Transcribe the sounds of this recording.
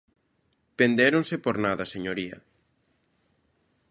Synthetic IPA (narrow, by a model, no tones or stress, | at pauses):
pend̪eɾõnsepoɾnaðɐseɲoɾiɐ̰